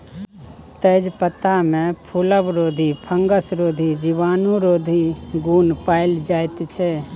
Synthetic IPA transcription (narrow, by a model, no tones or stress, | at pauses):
t̪əd͡ʒpət̪amẽpʰuləbɾoːd̪ʱipʰəŋɡəsɾoːd̪ʱid͡ʒiʋaːnũɾoːd̪ʱiɡuːnpaːɪld͡ʒaːɪt̪t͡ʃʰɛ